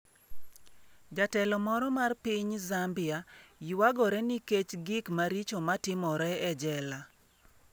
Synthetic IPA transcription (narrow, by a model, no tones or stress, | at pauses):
d͡ʒatɛlɔmɔɾɔmarpɪɲzambɪajwaɡɔɾɛniket͡ʃɡɪkmaɾit͡ʃomatɪmɔɾɛɛd͡ʒɛla